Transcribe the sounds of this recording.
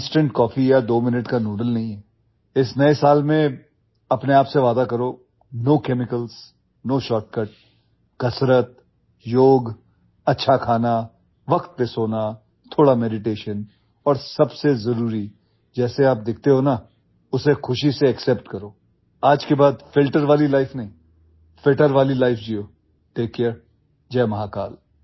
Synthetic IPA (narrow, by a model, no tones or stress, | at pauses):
sʈə̃ɳʈkɔːfijad̪oːmɪnəʈkanoːɖəlnɐɦĩɦɛː | ɪsnɐesaːlmẽ | ɐpneaːpseʋaːd̪akɐɾoː | noːkɛːmɪkəls | noːʃɔːʈ̚kəʈ̚ | kɐsɾət̪̚ | joːɡ | ɐtːʃʰakʰaːna | ʋɐkt̪̚pesoːna | t̪ʰoːɽamɛɖɪʈeːʃən | ɔːɾsɐbsezɐɾuːɾi | d͡ʒɛːseaːp̚d̪ɪkʰt̪eɦoːna | ʊsexʊʃiseɐksɛːpʈkɐɾoː | aːd͡ʒkebaːd̪fɪlʈəɾʋaːlilaːɪfnɐɦĩː | pʰɪlʈəɾʋaːlilaːɪfd͡ʒioː | ʈeːkːɛɾ | d͡ʒɛːmɐɦakaːl